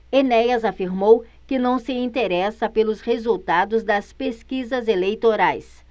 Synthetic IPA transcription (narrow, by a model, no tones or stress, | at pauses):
enɛjɐzafiɾmow | kɪnɐ̃w̃sɪĩnt̪eɾɛsɐpelʊshezuwt̪ad̪ʊzd̪ɐspeskizɐzelejt̪oɾajs